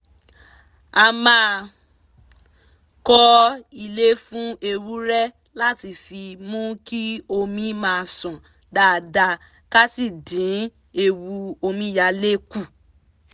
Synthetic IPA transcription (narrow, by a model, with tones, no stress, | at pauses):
a˧mã˦˧ | kɔ˦i˧le˦fũ˦e˧ɾu˦ɾɛ˦ | la˦ti˧fi˧mũ˦ki˦o˧mĩ˧˦mãː˦˧˨sɔ̃˨ | da˨˦˨da˧ | ka˦si˦˨dĩ˨˦ | e˧wu˧o˧mĩ˧˦ja˧le˦ku˦˨